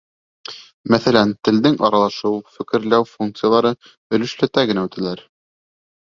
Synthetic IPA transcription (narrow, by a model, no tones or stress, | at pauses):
mæθælænt̪ɘ̆ld̪ɘŋʔɑɾɑlˠɑʃɤwfɘ̆kɘ̆ɾlæwfuŋk̚t̪sɨjalˠɑɾɤ | ɵ̆lɵ̆ʃlæt̪æɡɘ̆næʉt̪æ̆læɾ